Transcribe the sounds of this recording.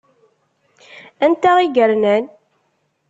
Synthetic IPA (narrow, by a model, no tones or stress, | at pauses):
ænt̪æʁiɡəɾnæn